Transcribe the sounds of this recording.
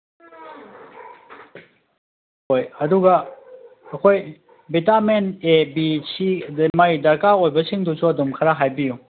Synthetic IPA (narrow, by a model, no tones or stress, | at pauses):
ojəd̪uɡa | əkʰoj | bit̪amɛnebit͡ʃʰimajd̪ɐkaojbəsʰɪŋt̪ut͡ʃʰɔd̪umkʰaɾaɦajpijũ